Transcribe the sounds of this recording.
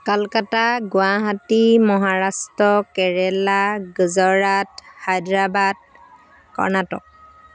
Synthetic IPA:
kalkataɡʊaɦatimɔɦaɹastɹɔkɛɹɛlaɡəzɔɹadhajdɹabad̚ | kɔ̰ɹnatɔ̰k̚

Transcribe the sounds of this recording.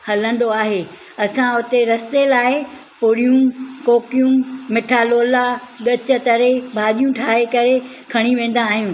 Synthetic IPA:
hɐlə̃nd̪oaːɦeː | ɐsãʊt̪eɾɐst̪elaːɪ | pʊɽijũkoːkijũmɪʈʰaːloːlaɗɐt͡ɕət̪ɐɾebʱaːɗijũʈʰaːɦekɐɾe | kʰɐɽ̃iʋẽːn̆d̪aːɦijũː

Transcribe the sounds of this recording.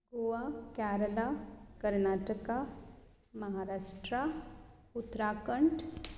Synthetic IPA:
ɡuʋakaːɾəlakəɾnaːʈəka | mɐɦaɾaːʂʈɾa | ut̪ːɾakəɳʈ

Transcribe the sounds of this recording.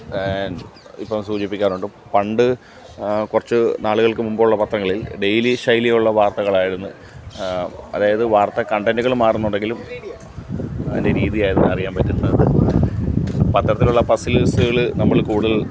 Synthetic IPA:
n | ḭpːɐmsuːt͡ɕipːikʲːaːnuɳɖɨ | pɐɳɖɨ | kurɐt͡ɕːɨnaːɭuɣɐɭkɨmumboːuɭːɐpɐt̪rɐŋːɐɭilɖe̞jliʂɐjlijuɭːɐʋaːrt̪ɐɣɐɭaːjiɽunːu | ɐ̰ðaːjɐðɨʋaːrt̪ɐkɐɳɖenduɣɐɭumaːrunːuɳɖeŋɡilum | ḛndeɾiːðijaːjɐɾunːɐrijaːnpɐtːunːɐðɨ | pɐt̪rɐt̪ːiluɭːɐpɐsilsuɣɐɭnɐmːɐɭkuːɽuðɐl

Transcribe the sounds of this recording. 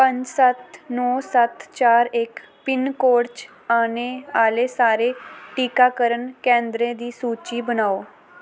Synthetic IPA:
pə̃ɲd͡ʒsət̪nɔːsət̪t͡ʃaːɾɪk | pɪnkoːɾt͡ʃ | aːneːaːleːsaːɾeːʈiːkaːkəɾənkɛ̃ːnd̪ɾẽːd̪iːsuːt͡ʃiːbənaːoː

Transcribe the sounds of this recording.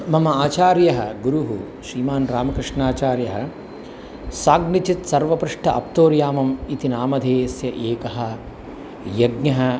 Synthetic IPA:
mɐmɐaːt͡ʃaːɾjɐɦɐɡuɾuɦu | ʃɾiːmaːnɾaːmɐkɾɪʂɳaːt͡ʃaːɾjɐɦɐ | saːɡnit͡ʃit̪sɐɾʋɐpɾuʂʈʰɐʔɐp̚t̪oːɾjaːmɐmit̪inaːmɐd̪ʱeːsjɐʔeːkɐɦɐ̆ | jɐɡɲɐɦɐ̆

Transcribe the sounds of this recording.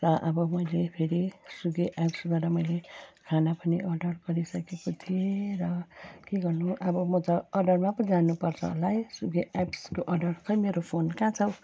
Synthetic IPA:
rʌʔʌbʌmʌjlepʰeɾisuɡeʔapsbaʈʌmʌjlekʰanapʌniʔʌɖʌrɡʌɾisʌkekot̪ʰieɾʌkeɡʌrnuʔʌbʌmʌt̪ʌːɖʌrmapʌnd͡zanupʌrt͡sʰʌ̰lajsuɡeʔapskoʔʌɖʌrt͡sʰʌjmeɾopʰonkãt͡sʰʌw

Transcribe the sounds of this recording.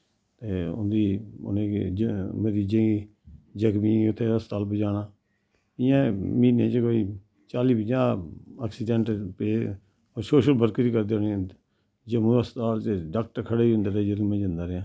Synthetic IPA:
t̪eːʊ̰nd̪iːʊ̰nẽːd͡ʒməɾiːd͡ʒẽːɡiː | d͡ʒəkmiːʊt̪ʰːeːəst̪aːlped͡ʒaːnaː | ɪjãːmiːnḛ̃ːt͡ʃkoːiː | t͡ʃaːliːpəd͡ʒaːaːksiːɖɛ̃ːɳʈpeː | ɔːɾsoːʃəlbəɾkɾiːkəɾd̪oːnĩ | d͡ʒəmũːəst̪aːlt͡ʃeɖaːk̚ʈəɾkʰəɽeːiʊ̃nd̪aːɾd͡ʒəɾmẽːd͡ʒə̃nd̪aːɾeãː

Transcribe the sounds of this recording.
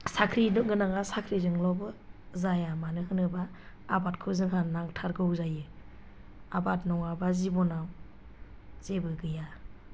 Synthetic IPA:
sakʰɾinɯɡɯnaŋasakʰɾizɯŋlɔbɯzajamanɯɦɯnɯbaː | bat̚kʰɯzɯŋɦannaŋtʰaɾɡɯwzajɯ | abat̚nɔŋabazibɔnaw | z̥ebɯɡɯja

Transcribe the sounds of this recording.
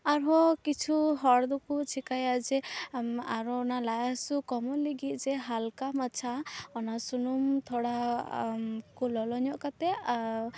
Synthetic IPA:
aɾɦɔkit͡ʃʰuɦɔɽd̪ukut͡ʃʰikajad͡ʒɛ | aɾɔɔnalajasukɔmɔliɡit̪̚ˀd͡ʒɛɦalkamat͡ʃʰaɔnasunumt̪ʰɔɽa | kulɔlɔɲɔʔkat̪ɛ

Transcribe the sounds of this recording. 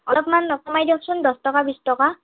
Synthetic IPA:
ɔlɔpmanːɔkɔmajdɔksundɔstɔkabistɔka

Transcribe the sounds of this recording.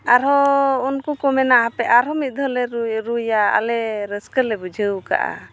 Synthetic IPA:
aɾɔunkukɔmɛnaɦapɛʔaɾɦɔmit̪̚ˀd̪ʱɔlɛɾɾujaa̰lɛɾəskəlɛbud͡ʒʱəwka̰ʔa̰

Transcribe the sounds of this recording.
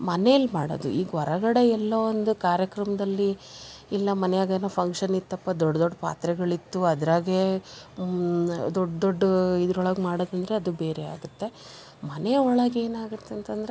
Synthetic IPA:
mɐneɐlːmaːɽo̰d̪ṵiːɡɐʋɔɾɐɡɐɽe̞ɛlːɐond̪ukaːɾjɐkɾɐmɐd̪ɐlːiː | lːɐmɐnɛjaːɡɐd̪nɐpʰɐŋkʂɐnit̪ːɐpːɐd̪ɔɖːɐd̪ɔɖːpa̰ːt̪ɾɛɡɐɭit̪ːuɐd̪ɐɾaːɡe | d̪ɔɖːd̪oɖːid̪ɾɔɭɐɡmaːɽod̪ɐnd̪ɐɾeɐd̪ube̞ːɾea̰ːɡut̪ːe̞ | mɐneɔɭɐɡe̞ːnaːɡut̪ːeɐnt̪ɐnd̪ɾe

